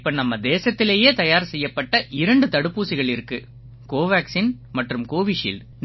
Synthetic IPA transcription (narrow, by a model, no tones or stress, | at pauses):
pːɐnɐmːɐd̪eːsɐt̪ːɪleːjeːt̪ɐjaːɾsɛjːɐpːɐʈːɐʔɪɾɐɳɖɯt̪ɐɽɯpːuːsɪɣɐɭɪɾɯkːɯ | koːʋaːksinmɐʈrɯmkoːʋɪʂḭːl